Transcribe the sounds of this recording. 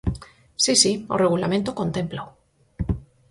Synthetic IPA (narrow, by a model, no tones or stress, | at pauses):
sisio̰reɣ̞ulamẽnt̪oko̞nt̪e̞mpla